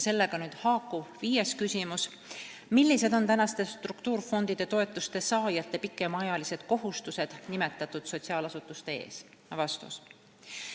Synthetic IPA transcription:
se̞lːe̞ɡ̥ɑnyːd̪̥hɑːkːˑuviːje̞skysʲimus | milːise̞d̪o̞nt̪ænɑst̪e̞st̪rukt̪uːrfo̞nd̪̥id̪̥e̞t̪o̞e̞t̪ːˑust̪e̞sɑːjɑt̪ˑːe̞pikːˑe̞mɑjɑlise̞d̪̥ko̞ɦust̪use̞d̪̥nime̞t̪ːˑɑt̪ːˑud̪̥so̞t̪ʲsiɑːlɑsut̪ːˑust̪e̞e̞̰ːs | vɑst̪ṵs

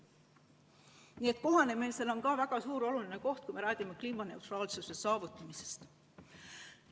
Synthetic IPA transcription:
nie̞t̪̚ˑko̞ɦɑne̞meselo̞nkɑvæɡ̥ɑsuːɾo̞luline̞ko̞ht̪̚kujme̞ɾæːɡ̥imekliːmɑne̞uwt̪ɾɑːlsusesɑːvut̪ːˑɑmise̞̥st̪

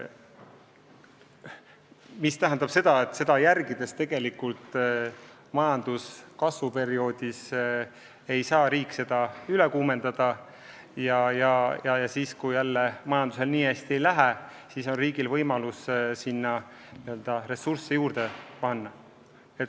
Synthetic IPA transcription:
mist̪æɦænd̪̥ɑb̥se̞d̪̥ɑe̞t̪ːˑse̞d̪̥ɑjærɡid̪e̞st̪e̞ɡ̥e̞likult̪ˑ | mɑjɑnd̪̥uskɑsvupe̞ɾio̞ːd̪̥is | e̞jsɑːɾiːkːˑse̞d̪̥ɑyle̞kuːme̞nd̪̥ɑd̪̥ɑ | jɑjɑjɑjɑsiːskujjælːemɑjɑnd̪̥us̬e̞lniːæst̪iejlæɦe | siːso̞nriːɡilvɤjmɑlussinːɑ | niøld̪̥ɑɾe̞sursːejuːɾd̪̥e̞pɑnːɑ | et̪

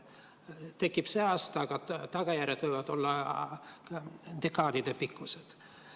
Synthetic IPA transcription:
t̪e̞kːˑipseɑːst̪ɑɡ̥ɑt̪ɑɡ̥ɑjærjed̪vɤjvɑd̪̥o̞lːɑ | d̪̥ekːɑːd̪̥id̪̥epikːˑused̪̥

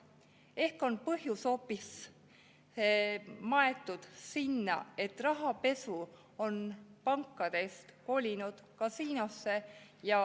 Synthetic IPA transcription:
e̞hko̞npɤɦjuso̞pːis | mɑe̞t̪ːˑud̪̥sinːɑ̰e̞t̪ːrɑɦɑpe̞su | o̞npɑŋkˑːɑd̪̥e̞st̪ko̞ːlʲinud̪̥kɑsiːnosːe̞jɑ

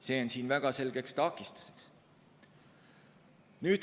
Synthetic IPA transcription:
se̞ːonsiːnvæɡ̥ɑse̞lɡ̥e̞kst̪ɑkist̪ɑ̥seks | nyːd̪̥

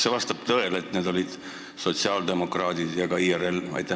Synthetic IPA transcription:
se̞vɑst̪ɑb̥̚t̪ɤe̞let̪ːne̞d̪o̞lʲid̪̥ | so̞t̪siɑːld̪e̞mo̞krɑːd̪id̪̥jɑɡɑiːere̞lɑ̰jt̪ːˑe

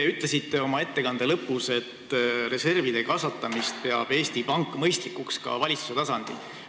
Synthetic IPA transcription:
eyt̪ˑle̞sit̪ːe̞o̞mɑe̞t̪ːe̞kɑnd̪̥e̞lɤpːuse̞t̪ːre̞se̞rvid̪̥e̞kɑsɑt̪ːˑɑmist̪̚pe̞ɑb̥e̞ːst̪ipɑŋkːˑmɤjst̪likːukskɑ̰vɑlʲit̪su̥se̞t̪ɑsɑnd̪̥ḭl

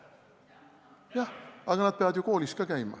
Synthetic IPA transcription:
jɑhɑɡ̥ɑnɑd̪̚pe̞ɑvɑd̪juko̞ːlist̪̚kɑkæjmɑ̰

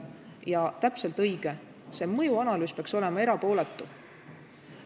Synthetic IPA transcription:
jɑt̪æpse̞lt̪ɤjɡ̥e | se̞ːmɤjuɑnɑlyːspeɑkso̞le̞mɑe̞ɾɑpo̞ːlet̪ːˑu

